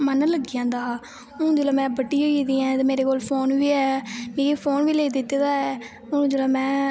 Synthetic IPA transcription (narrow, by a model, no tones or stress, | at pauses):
mənələɡɪjãːnd̪aː | ʊ̃ːd͡ʒɪlaːmɛ̃ːbəʈːiːoːiːd̪iːɛ̃ːt̪emeːɾeːkoːlpʰoːnʋiːɛːmĩːeːpʰoːnʋiːleːid̪ɪt̪ːed̪aːɛ | ʊ̃d͡ʒɪlaːmɛ̃ː